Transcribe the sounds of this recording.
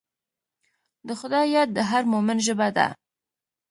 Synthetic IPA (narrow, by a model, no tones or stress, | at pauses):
d̪əxʊd̪ɑjat̪̚d̪əɦaɾmomɪnʒəbad̪a̰